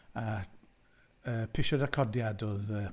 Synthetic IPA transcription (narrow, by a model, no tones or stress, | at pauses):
a | əːpʰɪʃɔdakʰɔdjadoːðəː